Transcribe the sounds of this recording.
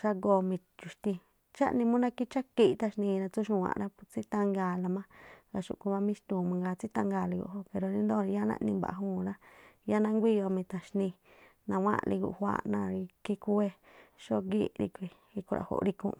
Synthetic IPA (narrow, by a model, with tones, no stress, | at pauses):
ʃa˧ɡo˧˨mĩ˧t͡ʃu˨ʃt̪ĩ˧ | t͡ʃa̰˦ʔnĩ˧mũ˦nã˧ki˦t͡ʃa˦ki˧ʔt̪a˧ʃnĩ˧ɾã˧t͡su˦ʃũ˧wã̰˧˨ɾã˦pu˧t͡si˦t̪ã˧ŋɡa˧˨la˧mã˦ɡa˧ʃṵ˧ʔku˧βã˧mĩ˦ʃt̪ũː˨mã˧ŋɡa˧t͡si˦t̪ã˧ŋɡaː˧˨li˧ɡṵ˧˨ɦo˦pe˨ɾo˧nĩ˧nd̪o˦˧ɾi˧ja˦nã̰˦ʔnĩ˧mba̰˨ʔũː˦˧˨ɾã˦ja˦nã˦˧ŋɡʷi˦jo˧mĩ˧t̪ã˨ʃnĩ˧ | nã˧wã̰˦lʔḭ˧ɡṵ˧˨hʷwa̰˧˦ʔnã˧ɾi˧ki˧ku˦e˧ʃo˦ɡi˦ɾḭ˧kʷi˧ | i˧ku˧ɾa̰˧˨ho̰˧˨ɾi˧kṵ̃˧